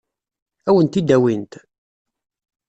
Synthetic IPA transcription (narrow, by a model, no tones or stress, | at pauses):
æwənt̪id̪ːæwint̪